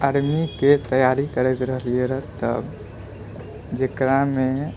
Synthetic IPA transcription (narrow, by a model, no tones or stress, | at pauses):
aɾmiket̪əjaɾikəɾɛt̪ɾəɦlieɾət̪ə̰b | d͡ʒekɾamẽ